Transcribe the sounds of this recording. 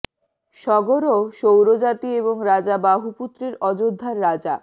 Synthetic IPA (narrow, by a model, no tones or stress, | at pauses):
ʃɔɡoɾoʃowɾod͡ʑat̪ieboŋɾad͡ʑabaɦuput̪ːɾeɾɔd͡ʑod̪ʱːaɾːad͡ʑa